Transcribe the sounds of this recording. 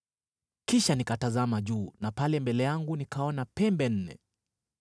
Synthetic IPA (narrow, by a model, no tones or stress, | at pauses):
kiʃanikatazamaʄuːnapalɛmbɛlɛjaŋɡunikaɔnapɛmbɛn̩nɛ̰